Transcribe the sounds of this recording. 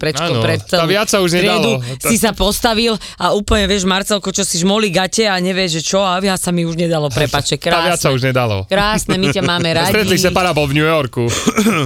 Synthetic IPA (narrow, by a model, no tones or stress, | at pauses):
pɾɛt͡ʃkːɔpɾɛt̪ːɛaʋɪat͡ssauʒɲɛɾd̪ɛldusis̬apɔst̪aʋil | auːpl̩ɲɛʋɪɛʒmaɾt͡sɛlkɔt͡ʃɔsiʒmɔliɡacɛaɲɛʋɪɛʒɛt͡ʃɔaʋasamiuʒɲɛd̪alɔpɾɛpaːt͡ʃɛkɾaaʋɪat͡ssauʒɲɛd̪alɔ̰kɾaːsnɛmicamaːmɛɾaɟ̪ɾɛilisɛpaɾapɔlvɲujɔɾku